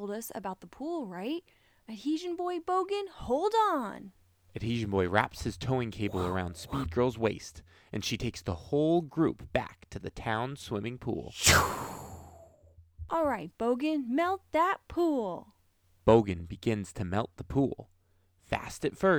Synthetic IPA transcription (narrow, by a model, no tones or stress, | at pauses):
lˠdʌsɨ̰baʊt̪̚ðəpʰulˠɹaɪt̚ | ɨt̚hiʒɨ̃nbɔɪboʊɡɨ̃nhoʊlˠdn̩ | ɨt̚hiʒɨ̃n̩bɔɪɹæ̰pshɨz̥tʰõʊɪ̃ŋkʰeɪbl̩ˠə˞ãʊ̃nd̥spid̚ɡɜ˞lˠzweɪst | ʔɨ̃nʃitʰeɪksðəhoʊlˠɡɹʉ̰pb̥æ̰k̚tʰɨðɨtʰãʊ̃nswɪ̃mɪ̃ŋpʰṵlˠu | ʔɔlˠɹaɪt̚b̥oʊɡɨ̃nmɛlˠt̪̚ðət̚pʰulˠ | b̥oʊɡɨ̃nbɨɡɪ̃nz̥tʰɨmɛlˠt̪̚ðəpʰṵlˠ | fæ̰stɨtfɜ˞